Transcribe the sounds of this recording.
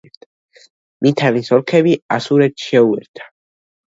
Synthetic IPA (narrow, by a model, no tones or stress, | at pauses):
mit̪ʰalisɔlkʰɛbiasuɾɛt̪ʰʃɛuɛɾt̪ʰḁ